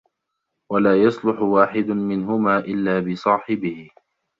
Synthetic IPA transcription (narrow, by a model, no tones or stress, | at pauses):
walaːjɑsˤlʊħʊwaːħɪd̪mɪnɦʊmaːʔɪlːaːbɪsˤɑːħɪbɪhɪ